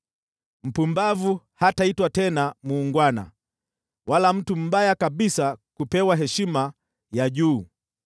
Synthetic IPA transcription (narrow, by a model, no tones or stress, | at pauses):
m̩pumbavu | hataitwatɛnamuːŋɡwana̰ | walam̩tum̩ɓajakaɓisakupɛwaɦɛʃima | jaʄuː